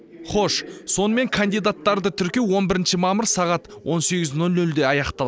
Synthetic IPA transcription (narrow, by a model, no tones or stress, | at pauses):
χo̞ʃso̞nəme̞ŋkʰɐnd̪ijd̪at̪ːɑɾd̪ət̪ʰʏɾkʲe̞wwo̞nbɪɾɪnʃɪmɑməɾsɑʁɑt̪wo̞nseɡʲɪznolˠnɵld̪e̞ɑjɑqt̪ɑlˠɑ